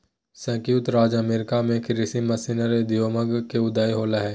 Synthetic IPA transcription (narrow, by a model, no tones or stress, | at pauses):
sə̃kjuːt̪ɾaːd͡ʒɐmeːɾɪkamẽkɪɾɪsimɐsinəɾed̪ijoːməɡkeʊd̪aːjɦoːlaɦɛː